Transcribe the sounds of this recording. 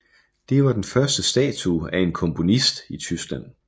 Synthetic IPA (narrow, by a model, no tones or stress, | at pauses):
d̥e̝ʋɑ̈d̥enfɶɐsd̥əsd̥ɛ̰ːt͡sʰuæe̝nkʰɒ̽mpʰo̝nisd̥it͡sʰysɡ̥læn̰